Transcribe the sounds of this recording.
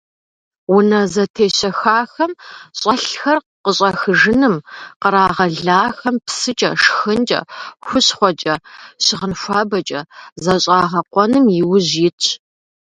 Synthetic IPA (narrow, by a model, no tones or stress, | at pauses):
wʊnɐzɐtʰeːɕɐxaːxɐmɕʼɐɬxɐr | qəɕʼɐxɨʒɨnɨmqəɾaːʁɐɮaːxɐmpsɨt͡ʃʼɐʂxɨnd͡ʒʼɐ̰xʷʊɕχʷɔt͡ʃʼɐɕɪʁənʃʷaːbɐt͡ʃʼɐzɐɕʼaːʁɐqʷɔnɨmjɪwʊʑjɪtʰ